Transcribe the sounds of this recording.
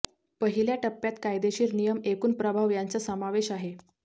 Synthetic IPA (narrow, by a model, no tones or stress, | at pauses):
pəɦiljaʈəpːjat̪kajd̪eɕiːɾnijəmekuːnpɾəbʱaʋjant͡səsəmaʋeɕaɦe